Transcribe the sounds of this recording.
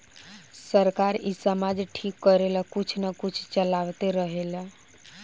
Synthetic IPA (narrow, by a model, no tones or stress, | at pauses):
səɾkaɾisəmad͡ʒʈʰikːəɾeləkut͡ʃʰnəkut͡ʃʰt͡ʃəlawt̪eɾəɦelə